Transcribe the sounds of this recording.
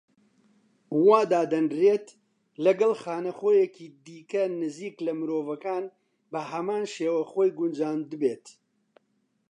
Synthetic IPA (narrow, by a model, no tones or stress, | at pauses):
waːd̪aːd̪ɐnreːt̪ | lɐɡɐlxaːnɐxoːjɛkiːd̪iːkɐnɨziːklɐmɨɾoːvɐkaːn | bɐɦɐmaːnʃeːwɐxoːjɡʊnd͡ʒaːnd̪ɨbeːt̪